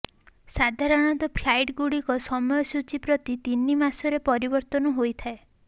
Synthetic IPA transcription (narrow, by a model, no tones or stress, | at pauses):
sad̪ʱaɾɔɽ̃ɔnt̪ɔpʰlajʈɡuɽikɔsɔmɔjɔsut͡ʃipɾɔt̪it̪inːimasɔɾepɔɾibɔɾt̪ɔnɔɦojt̪ʰae